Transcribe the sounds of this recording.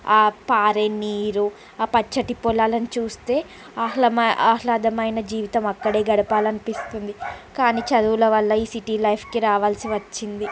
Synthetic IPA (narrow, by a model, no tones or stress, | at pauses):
aːpaːɾeniːɾu | aːpɐt͡ʃːɐʈipɔlaːlɐnit͡ʃuːst̪e̞ː | aɐmaːlɐd̪ɐmɐjnɐd͡ʒiːʋit̪ɐmɐkːɐɽe̞ːɡɐɽɐpaːlɐnipist̪und̪ikaːniːt͡ʃɐd̪uːlɐʋɐlːɐiːsiʈiːlɐjpʰkiɾaːʋaːlsiʋɐt͡ʃːind̪i